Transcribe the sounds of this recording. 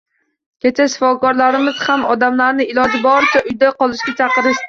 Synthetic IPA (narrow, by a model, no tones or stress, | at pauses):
kʲʰet͡ʃʰaʃɪ̥fɒkɒɾlˠaɾɪmɪz̥hamɒd̪amlaɾnɪɪlˠɒd͡ʒɪbɒɾt͡ʃʰaʔʊjd̪aqɒlˠɪʃɡʲat͡ʃʰɑqɨɾɪʃt̪ɪ